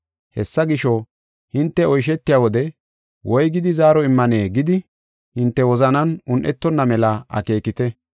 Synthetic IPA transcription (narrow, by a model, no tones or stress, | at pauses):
hɛsːɐɡɪʃɔ | hɪnt̪ːɛɔjʃ̬ɛt̪ːɪjawɔd̪ɛ | wɔjɡɪd̪ɪzaːɾɔɪmːɐneːɡɪd̪ɪ | hɪnt̪ːɛwɔzɐnɐnʊnʔɛt̪ːɔnːɐmɛlɐɐ̰ke̞ːkɪt̪ɛ